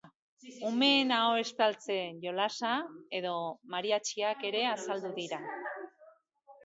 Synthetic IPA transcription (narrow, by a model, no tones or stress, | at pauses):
ume̞ːnaoe̞st̪alt͡se̞ʝo̞lasae̞ðo̞maɾiat͡ʃiake̞ɾe̞asald̪uðiɾa